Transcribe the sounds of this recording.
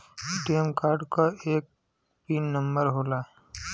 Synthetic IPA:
ʈeːmkaːɾɖkaeːk̚ | piːnːəmbəɾɦoːla

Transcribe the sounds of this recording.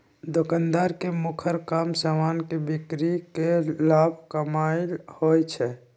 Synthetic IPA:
d̪okand̪aɾkemukʰəɾkaːmsəmaːnkebikɾikelabʱkəmaɪlhojt͡ʃʰɛ

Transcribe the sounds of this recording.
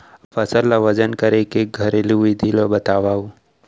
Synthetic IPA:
pɐsəɾːaʋɐd͡ʒənkɐɾekeɡʱɐɾeliuid̪ʱilobɐt̪aːʋaːu

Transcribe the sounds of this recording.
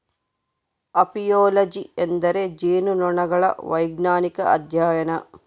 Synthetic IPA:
ɐpijoːlɐd͡ʒiend̪ɐɾed͡ʒeːnunɔɳɐɡɐɭɐ̰ʋɐjɡnaːnikɐʔɐ̰d̪ʱjaːjɐnɐ

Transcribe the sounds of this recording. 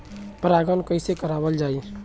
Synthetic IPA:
pɾaːɡənkəisekəɾaːbəld͡ʒaːi

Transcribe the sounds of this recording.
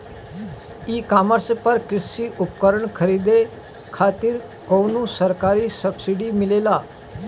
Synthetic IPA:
iːkaːməɾspəɾkɾɪsiʔʊpkəɾəɳkʰəɾiːd̪e | kʰaːt̪ɪɾ | konũsəɾkaːɾisəbsiɖimɪleːlaː

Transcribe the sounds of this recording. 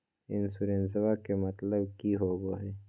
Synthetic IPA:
ɪnsuɾẽnsəwakemɐt̪ləbkiɦoːɡoɦeː

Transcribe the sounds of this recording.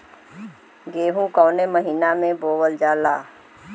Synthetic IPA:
ɡeːɦũkɔːneməɦiːnamẽboːwəld͡ʒaːlaː

